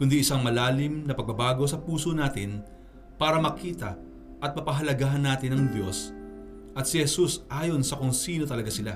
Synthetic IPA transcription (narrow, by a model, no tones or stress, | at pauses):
kʊnd̪iʔɪsaŋmɐlaːlɪmnɐpɐɡ̚bɐbaːɡo̞sɐpuːsonaːt̪ɪn | paːɾɐmɐkiːt̪ɐ | ʔɐt̪̚mɐpɐɦɐlɐɡaːɦɐnːaːt̪ɪnɐŋd̪jo̞s | ʔɐt̪̚sɪhɛsusʔaːjo̞nsɐkʊŋsiːno̞t̪ɐlɐɡasɪla